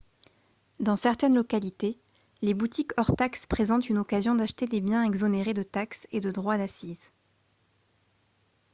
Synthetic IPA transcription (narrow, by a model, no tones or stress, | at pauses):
d̪ɑ̃sɛʁt̪ɛnlɔkalit̪e | lebut̪ikɔʁt̪akspχezɑ̃t̪ynɔkazjɔ̃d̪aʃt̪ed̪ebjɛ̃ɛɡzɔneʁed̪ət̪aksed̪əd̪ʁwad̪asiz